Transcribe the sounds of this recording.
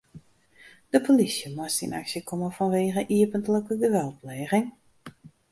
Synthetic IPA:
d̥əpʰolisjəmastḭna̰ksjəkʰoməfɔnʋeːɣəʔiəpəntləkəɡəʋɛlˠtlɛːɣɪŋ

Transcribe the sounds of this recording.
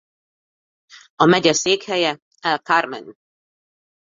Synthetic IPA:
ɒmɛɟɛseːkhɛjɛ | ɛlkarmɛ̰n

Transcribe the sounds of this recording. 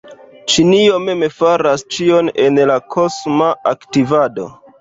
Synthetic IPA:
t͡ʃiniome̞mefaɾast͡ʃio̞nenlakʰosmaʔaktivado̞̰

